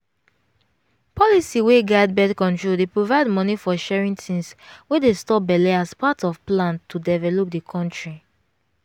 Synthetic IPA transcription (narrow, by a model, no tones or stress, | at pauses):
pʰɔlisiweɡaɪd̚bɛdkɔ̃ntɹodepɹovaɪdmɔnifɔʃɛɹĩntʰĩŋswedestɔbɛleaspatɔvplãntʰːudɛvɛlop̚dəkʰɔ̃ntɹi